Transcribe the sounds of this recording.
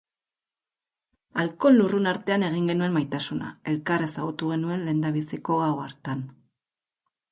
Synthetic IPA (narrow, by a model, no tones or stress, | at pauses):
alko̞nlurunaɾt̪e̞ane̞ɣ̞iŋɡe̞nue̞majt̪asuna̰e̞lkare̞saɣ̞ut̪uɣ̞e̞nue̞nle̞ːnd̪aβisiko̞aoaɾt̪an